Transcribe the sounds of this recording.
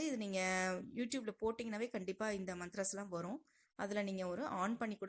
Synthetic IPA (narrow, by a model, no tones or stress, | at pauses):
ɯɪðɯniːŋɡɐjuːʈjuːblɐpoːʈːɪŋɡɐnaːʋeːkɐɳɖɪpːaːɪnd̪ɐmɐnt̪ɪɾasɐlːãːʋɐɾʊ̃ː | ʔɐ̰ðɪlɐniːŋɡɐɔɾɯʔaːnpɐɳːikuːɽ